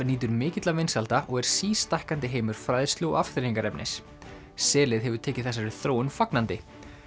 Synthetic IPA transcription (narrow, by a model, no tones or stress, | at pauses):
niːt̪ʏɾmɪːcɪt̪lavejnsalt̪aʔɔɣɛɾ̥siːst̪ahkant̪ɪɦeːjmʏɾ̥fɾaːjðɪst̪lʏɔ̰afkθɪɾiŋkaɾɛpnɪ̰s | sɛːlɪðɦɛvʏ̥ɾt̪ʰɛːcɪðθɛs̬ːaɾɪθɾoːwʏnfaknant̪ɪ